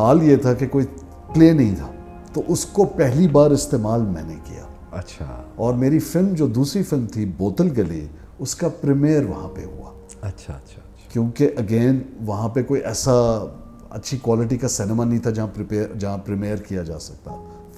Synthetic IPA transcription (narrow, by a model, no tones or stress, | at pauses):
haːljet̪ʰakekoːi | pleːnɐɦĩt̪ʰaː | t̪oʔʊskopɛɦlibaːɾɪst̪eːmaːlmɛ̰̃ːnḛkḭja̰ː | ɐtːʃʰaɔːɾmeːɾifɪlmd͡ʒoːd̪uːsɾifɪlmt̪ʰiboːt̪əlɡɐlḭ | ʊskapɾɪmijəɾʋɐ̰ɦã̰pḛɦʊ̰a̰ː | ɐtːʃʰaʃʰ | kjõːkeʔɐɡeːnʋɐɦãpekoːiʔɛːsa | ɐ̰tːʃʰikwaːlɪʈ̬ikasɛːnɪmanɐɦĩt̪ʰad͡ʒɐɦãpɾɪpeːd͡ʒɐɦãpɾɪmeːəɾkijad͡ʒa̰ːsɐ̥k̚t̪a̰